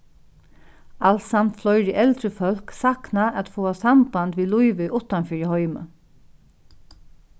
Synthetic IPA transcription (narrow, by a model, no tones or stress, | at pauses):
alsant̪flɔʏɹɪʔɛlt̪ɾəfœlksaknaat̪foːasamband̪ʋiːluʏʋœʔʊt̪anfiːɹɪhɔʏmə̰